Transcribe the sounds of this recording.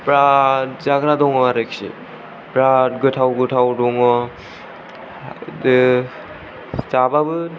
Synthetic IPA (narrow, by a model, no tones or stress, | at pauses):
pɾatzaɡɾadɔŋɔaɾeksḭ | pɾatɡɯtʰawɡɯtʰawdɔŋɔ | d | sababɯ